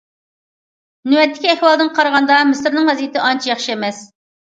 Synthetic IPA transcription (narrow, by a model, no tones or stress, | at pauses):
nywɛt̪ʰːɪ̥kʲiɛhwɑlˠd̪ɨnqʰɑɾʁɑnd̪ɑmɪsɾnɨŋvɛzijɪt̪ʰɪʔɑnt͡ʃʰijɑχʃiɛmɛs